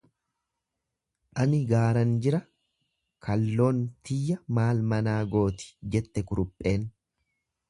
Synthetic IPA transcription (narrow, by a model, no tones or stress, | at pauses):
ʔɐnɪɡaːɾɐnd͡ʒɪɾɐ | kʰɐlːo̞ːnt̪ɪjːɐmaːlmɐnaːɡo̞ːt̪ɪ̥d͡ʒɛt̪ːɛkʊɾʊpʼːe̞ːn